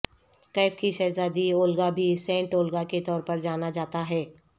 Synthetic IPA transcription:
kaɪfkiʃɐːzaːd̪ioːlɡabʱisɛ̃ːɳʈoːlɡaket̪ɔːɾpɐɾd͡ʒaːnad͡ʒaːt̪aɦɛː

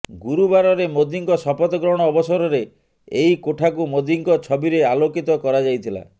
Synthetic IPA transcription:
ɡuɾubaɾɔɾemod̪iŋkɔsɔpɔt̪ɔɡɾɔɽ̃ɔːbɔsɔɾɔɾe | eɦikoʈʰakumod̪iŋkɔt͡ʃʰɔbiɾealokit̪ɔkɔɾad͡ʒajt̪ʰila̰

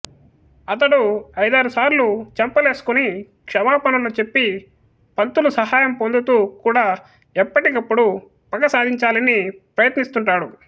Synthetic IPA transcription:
ɐt̪ɐɽuɐjd̪aːɾusaːɾlut͡ʃɐmpɐleːsu̥kuni | kʂɐmaːpɐnɐlɐt͡ʃe̞pːi | pɐnt̪ulusɐɦaːjɐmpo̞nd̪ut̪uːkuːɽaː | ɛpːɐʈikɐpːuɽu | pɐkɐsaːd̪ʱiɲt͡ʃaːlɐnipɾɐjɐt̪nist̪uɳʈaːɽu

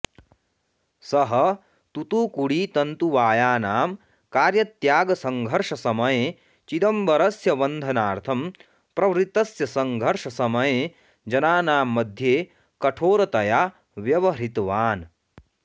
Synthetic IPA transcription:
sɐɦɐ | t̪ut̪uːkuɽiːt̪ɐnt̪uʋaːjaːnaːm | kaːɾjɐt̪jaːɡɐsɐŋɡʱɐɾʂɐsɐmɐjeː | t͡ʃid̪ɐmbɐɾɐsjɐʋɐnd̪ʱɐnaːɾt̪ʰɐm | pɾɐʋɾit̪ɐsjɐsɐŋɡʱɐɾʂɐsɐmɐjeː | d͡ʒɐnaːnaːmːɐd̪ʱjeː | kɐʈʰoːɾɐt̪ɐjaː | ʋjɐʋɐɾit̪ʋaːn

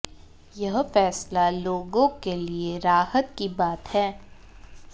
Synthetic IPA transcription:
jɐɦfɛːslaloːɡõkelieɾaːhət̪kibaːt̪hɛː

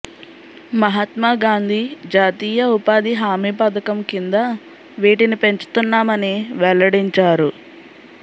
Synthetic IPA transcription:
mɐɦɐt̪maːɡaːnd̪ʱid͡ʒaːt̪iːjɐupaːd̪iɦaːmiːpɐd̪ɐkɐmkind̪ɐ | ʋiːʈinipe̞ɲt͡ʃu̥t̪unːaːmɐniʋɛlːɐɽiɲt͡ʃaːɾu

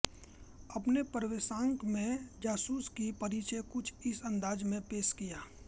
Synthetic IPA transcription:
ɐpnepəɾʋesãːŋkmẽd͡ʒaːsuːskipɐɾiːt͡ʃekʊt͡ʃʰɪsə̃nd̪aːd͡ʒmẽpeːʃkijaː

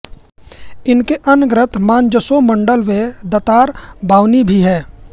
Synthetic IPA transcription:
ɪnkeʔənɡɾɪt̪mãːnd͡ʒəsomə̃ɳɖəlʋed̪ət̪aːɾbaːwnibʱiɦɛː

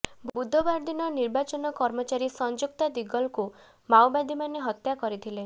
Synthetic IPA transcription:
bbud̪ʱːɔbaɾd̪inɔniɾbat͡ʃɔnɔkɔɾmɔt͡ʃaɾisɔnd͡ʒuk̚t̪ad̪iɡɔlku | mawbad̪ʱimaneɦɔt̪jakɔɾit̪ʰile

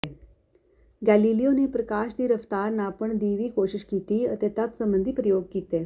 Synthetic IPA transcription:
e | ɡælilijoniːpɾəkaɕd̪iɾəft̪aɾnapəɳd̪iʋiːkoɕiɕkit̪iːət̪et̪at̪səmbənd̪ʱiːpɾəjoɡ̚kit̪e

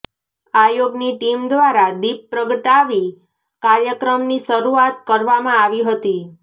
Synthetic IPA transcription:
ajoɡniʈimd̪ʋaɾad̪ip̚pːɾəɡəʈaʋi | kaɾjəkɾəmniʃəɾuat̪kəɾʋamãaʋiɦət̪i

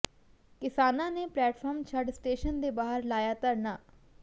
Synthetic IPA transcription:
kɪsaːnãːneːplɛːʈfʰəɾmt͡ʃʰəɖsʈeːʃənd̪eːbaːɦəɾlaːjaːt̪əɾnaː

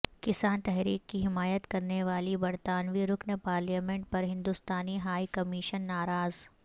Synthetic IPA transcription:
kɪsaːnt̪ɛɦɾiːkːiɦɪmaːjət̪kɐɾneʋaːlibɐɾt̪aːnʋiɾʊknəpaːɾljaːmẽɳʈ̚pɐɾɦɪ̃nd̪ʊst̪aːniɦaːikɐmiːʃənːaːɾaːz

